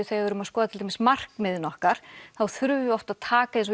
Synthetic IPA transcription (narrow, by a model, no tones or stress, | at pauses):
ʏθeɣavɛɾʏmaðskɔːðt̪ʰɪlʰemɪ̥smar̥kmɪðnɔhkaɾ̥θawθɾʏvʏɔft̪aðt̪ʰaːkaɪns̬ɔ